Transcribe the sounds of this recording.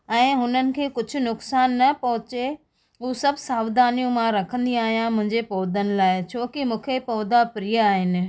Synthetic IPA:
ɛ̃ːɦʊnənɪ̆kʰeːkʊd͡ʑʱʊ̆nʊksaːnːɐpɐɦʊt͡ɕe | uːsɐbʱsaːʋd̪aːnijũmãɾɐkʰə̃nd̪iaːɦijãmʊ̃ɦɪ̃ɲd͡ʑepɔːd̪ənɪ̆laːɪt͡ɕʰoːkimũːkʰepɔːd̪apɾijəaːɦɪnɪ̆

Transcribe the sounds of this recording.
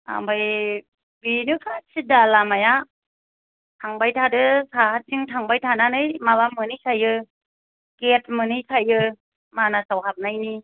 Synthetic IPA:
a̰mbaj | binukʰat͡ʃʰidalamaja | tʰaŋbajtʰadɯsahat̚siŋtʰaŋbajtʰananɯjmaβamɯnɯjsʰajɯ | ket̚mɯnɯjkʰajɯ | manasawɦap̚najni

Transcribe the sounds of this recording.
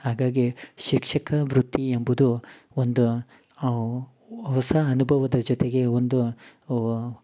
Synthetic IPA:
haːɡaːɡiʃikʂɐkɐʋɾut̪ːiembud̪u | ond̪u | ɦɔsɐːnubʱɐʋɐd̪ɐd͡ʒɔt̪eɡe̞ond̪u

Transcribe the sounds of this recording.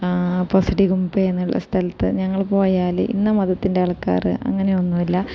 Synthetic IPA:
posiʈiɣumbeenːuɭːɐ̰st̪ʰɐlɐt̪ːɨ̰ɲɐŋːɐɭpo̞ːjaːlḭnːɐmɐðɐt̪ːindeɐɭkːa̰ːrɨ̰ʔɐ̰ŋːɐne̞o̞nːuʋilːɐ

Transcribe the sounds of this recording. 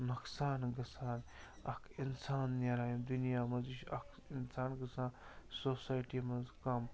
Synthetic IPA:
nɐksaːnɡɐsaːn | ɐkʰinsaːnːʲaɾaːjimd̪unijaːmɐziʃɐk | insaːnɡɐsaːnsoːsaːjʈimɐzkɐm

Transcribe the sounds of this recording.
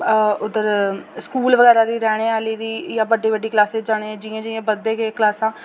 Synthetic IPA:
ʊd̪əɾskuːlʋəɡɛːɾaːd̪iːɾɛːɽ̃eːaːliːd̪iːjaːbəɖːiːbəɖːiːklaːseːd͡ʒaːɽ̃eːd͡ʒɪẽːd͡ʒɪẽːbəd̪eːkeːklaːsãː

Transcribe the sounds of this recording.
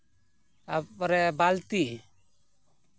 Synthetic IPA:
apɾɛbalt̪i

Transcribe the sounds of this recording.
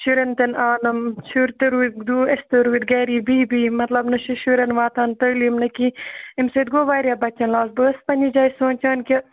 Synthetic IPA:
ʃuɾent̪ɐnaːnɐmt͡ʃʰuɾt̪ɨɾuːd̪uːest̪ɐɾuːd̪̚ɡɐːɾiːbiːbiːmɐt̪lɐbnɐʃuʃuɾenʋaːt̪aːnt̪ɐɾlimnɐkiimseːt̪̚ɡoːʋaːɾjaːbɐt͡ʃːɐnlaːsbəːspɐnʲid͡ʒaːjsoːnʲt͡ʃaːnkʲɐ

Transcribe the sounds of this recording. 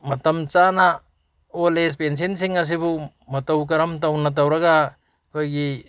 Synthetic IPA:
mɐtɐmt͡ʃana | olespens̬ensiŋɐs̬ibu | mɐtɐwk̬ɐɾɐmtawnat̬awɾɐɡa | kʰojɡi

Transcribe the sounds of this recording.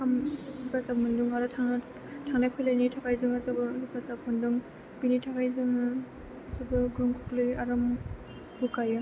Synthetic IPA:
kʰamipʰasamɯnduŋaɾɔtʰaŋ | tʰaŋnajpʰɯjlajnitʰakʰajzɯŋazɯbɯlupʰasapʰɔnduŋ | binitʰakʰajzɯŋɯː | sɔbɯɡɯŋkʰuklɯjaɾɔm | bukajɯ

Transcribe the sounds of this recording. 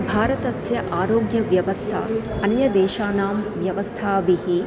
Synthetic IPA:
bʱaːɾɐt̪ɐsjɐʔaːɾoːɡjɐʋjɐʋɐst̪ʰa̰ | ɐnjɐd̪eːʃaːnaːmʋjɐʋɐst̪ʰaːbihi

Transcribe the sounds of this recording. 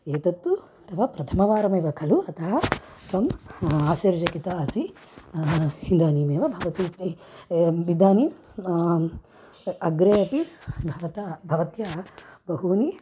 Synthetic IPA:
eːt̪ɐt̪ːu | t̪ɐʋɐpɾɐt̪ʰɐmɐʋaːɾɐmɐːʋɐkʰɐluɐt̪ʰɐɦɐt̪ɐmaːsɐɾd͡ʒɐkit̪ɐɐsi | hind̪aːniːmeːʋɐbʱɐʋɐt̪i | ʋid̪aːni | ɐɡɾeːɐpibʱɐʋɐt̪ɐbʱɐʋɐt̪jɐbɐɦuːni

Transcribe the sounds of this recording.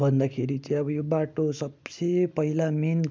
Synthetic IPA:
bʱʌnd̪akʰeɾit͡saĩʌbʌjobaʈosʌbsepʌilamin

